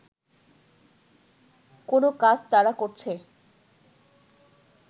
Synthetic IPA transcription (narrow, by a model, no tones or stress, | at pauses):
konokad͡ʑt̪aɾakoɾt͡ɕʰe